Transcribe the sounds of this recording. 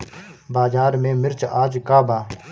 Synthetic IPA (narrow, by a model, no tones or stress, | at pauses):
baːzaːɾmẽːmɪɾt͡ʃaːd͡ʒkaːbaː